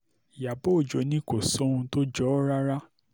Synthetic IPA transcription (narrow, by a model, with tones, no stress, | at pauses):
ja˨bo˦o˨d͡ʒo˨˦nĩ˦ko˨sɔ̃˦ũ˧to˦d͡ʒɔ˦ɾa˦ɾa˦